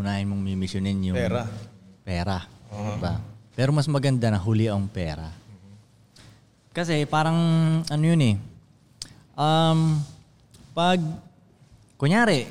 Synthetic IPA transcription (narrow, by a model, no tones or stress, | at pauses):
ʊnaːhɪnmoŋmɪmɪsʊnɪnjʊɾpɛːɾɐd̪ɪbapɛːɾo̞mɐsmɐɡɐnd̪anɐɦulɪʔɐŋpɛːɾɐ̰ | kɐsɛpaːɾɐŋʔɐnojʊnɛ | ʔɐm | pɐɡ̚ | koɲjaːɾɛ